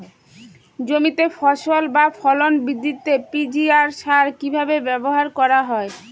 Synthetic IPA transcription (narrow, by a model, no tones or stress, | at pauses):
d͡ʑomit̪efɔʃolbafʰɔlonbid̪ːit̪ːepid͡ʑiaɾʃaɾkibʱabebɛboɦaɾkɔɾaɦɔe